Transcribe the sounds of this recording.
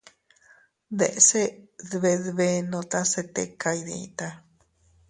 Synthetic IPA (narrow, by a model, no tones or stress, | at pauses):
d̪eʔseðβeðβenõt̪aset̪ḛkajneḭt̪a